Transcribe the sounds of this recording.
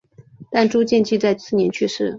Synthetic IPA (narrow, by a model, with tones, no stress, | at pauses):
t̪a˥˩nʈ͡ʂu˥t͡ɕjɛ˥˧nt͡ɕʰi˥˧t͡sa˥˧ɪt͡sʰɹ̩˥˩njɛ˧˥nt͡ɕʰy˥˧ʂɻ̩˥˩